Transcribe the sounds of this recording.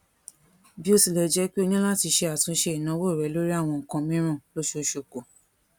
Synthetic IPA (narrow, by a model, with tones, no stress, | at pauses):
bi˦o˧si˨lɛ˨d͡ʒɛ˨˦k͡pe˦o˦˧nĩ˦la˦ti˧ʃe˧a˨tũ˧˦ʃe˧i˨nã˨˦wo˦˨ɾɛ˨˦lo˦ɾi˦a˦˨w̃ɔ̃˧˨kã˧mĩ˦ɾ̃ã˦˨lo˦ʃo˧˦ʃo˨ko˨